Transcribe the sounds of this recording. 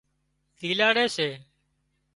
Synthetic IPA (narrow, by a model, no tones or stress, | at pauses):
d̪ʱiːlaːɽeːseː